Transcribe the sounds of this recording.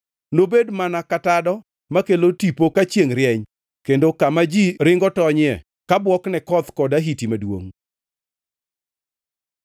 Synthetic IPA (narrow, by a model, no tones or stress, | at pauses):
nobedmanakatadɔ | makelotipokat͡ʃjeŋɾjɛɲ | kendokamad͡ʒiɾɪŋɡɔtɔɲɛ | kabwɔknɛkɔt̪kɔdaɦitimadwo̰ŋ